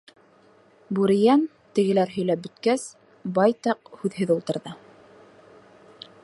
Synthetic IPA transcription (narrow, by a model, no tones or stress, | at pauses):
buɾijæn | t̪ɘ̆ɡɘ̆læɾɦɵ̆jlæp̚bɵ̆t̪kæs | bɑjt̪ɑqhʉðɦɘðulˠt̪ɤ̆ɾðɤ